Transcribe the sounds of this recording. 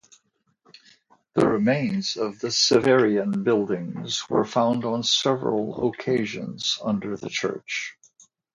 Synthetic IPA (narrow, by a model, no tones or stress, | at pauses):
ðɨ̰ɹɨmẽɪ̃nzʌvðɨsɨvɛɹiɨ̃nbɪlˠdɪ̃ŋzwə̰˞fãʊ̃ndn̩sɛvɹəl̩ˠə̰kʰeɪʒɨ̰̃nz̥ʌ̃ndə˞ðɨ̰t͡ʃʰɜ̰˞t͡ʃ